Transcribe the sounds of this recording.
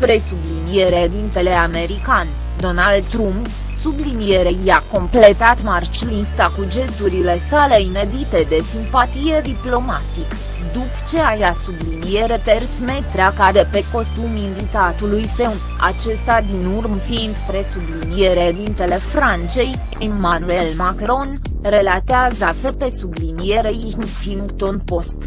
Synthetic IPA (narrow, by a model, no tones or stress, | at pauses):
pɾe̞sublinie̞ɾed̪int̪e̞le̞ame̞ɾikanʲ | d̪o̞nald̪t̪ɾump | sublinie̞ɾejako̞mple̞t̪at̪mart͡ʃlinst̪akud͡ʒe̞st̪uɾile̞sale̞ine̞d̪it̪e̞d̪e̞simpat̪ije̞d̪iplo̞mat̪ik | d̪upt͡ʃe̞ajasublinie̞ɾe̞t̪e̞rsme̞t̪ɾeakad̪epe̞ko̞st̪uminvit̪at̪ulujsewn | a̰t͡ʃe̞st̪ad̪inurmfind̪pɾe̞sublinije̞ɾed̪int̪e̞le̞fɾant͡ʃe̞j | emanue̞lmakɾo̞n | relat̪eazafepe̞sublinijeɾej | ŋfinɡt̪onpo̞st̪